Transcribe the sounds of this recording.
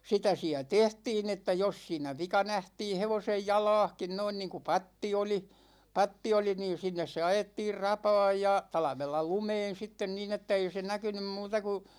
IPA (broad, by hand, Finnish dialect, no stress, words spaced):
sitæ siæ tehtiːn etːæ jos siːnæ ʋikɑ næhtiːn̞ heʋosej jɑlɑ̝ːhkin noin niːŋku pɑtːi oli pɑtːi oli niːn̞ sinːes se ɑjetːiːr rɑpɑ̝ːj jɑ tɑlɑ̆ʋelːɑ lumeːn̞ sitːen niːn etːæ ei se nækynym muːtɑ ku